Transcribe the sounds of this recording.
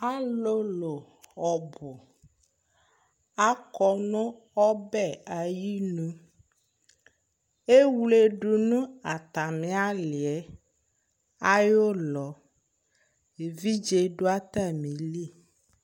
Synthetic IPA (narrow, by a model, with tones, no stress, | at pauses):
a˦lo˦lo˨ | ɔ˨bo˨ | a˦kɔ˨nɔ̃˦ | ɔ˦bɛ˦˨a˨ji˦nũ˦ | e˦wu˦le˦ɖu˨nũ˦a˨t̪a˨mĩ˨˦a˦li˨ɛ˨˦ | a˦jo˦lɔ˨ | e˨vi˦d͡ʒe˦ɖo˦a˦t̪a˦mĩ˨li˦˨